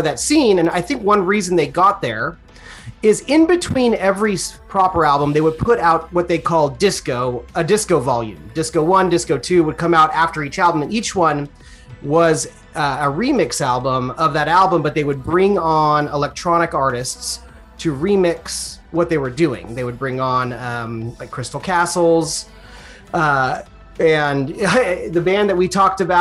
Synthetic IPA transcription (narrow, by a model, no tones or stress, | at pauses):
ðɨtsĩnɨ̃naɪθɪ̃ŋkwʌ̃nɹizɨ̃n̩ðeɪɡɑt̪̚ðə˞ | ɪzɪ̃nbɨtʰw̥ĩnɛvɹipʰɹ̥ɑpə˞ælˠbə̃mðeɪwəd̚pʰʊɾaʊt̚wʌt̪̚ðeɪkʰɔlˠddɪskoʊɨdɪskoʊvɑlˠjʉ̰̃mdɪskoʊwʌ̃ndɪskoʊtʰʉwəd̚kʰʌ̃maʊɾæftə˞it͡ʃælˠbə̃mɨ̃nit͡ʃwʌ̃n | wʌz | ɨɹimɪksælˠbə̃mʌvðɨɾælˠbə̃mbʌt̪̚ðeɪwɨd̚bɹɪ̃ŋə̃nəlɛk̚tʰɹ̥ɑɾ̃ɨkɑɹɾɨsts | tʰɨɹimɪkswʌt̪̚ðeɪwə˞dʉɪ̰̃ŋðeɪwɨd̚bɹɪ̃ŋə̃nʌ̃mɪkʰɹ̥ɪstl̩ˠkʰæsl̩ˠz̥ | ʌ | ɨ̃n | ðɨbæ̃nðɨt̚witʰɔk̚tɨba